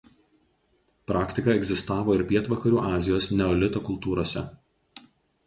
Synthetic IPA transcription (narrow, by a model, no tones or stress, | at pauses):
pɾɑːkt̪ʲɪkɐˑɛɡʲzʲɪst̪ɑːʋoːɪɾpʲiɛt̪ʋɐkɐɾʲuːʔɑːzʲɪjoːsnʲɛɔlʲɪt̪oːkʊlˠt̪uːɾoːsʲɛ̰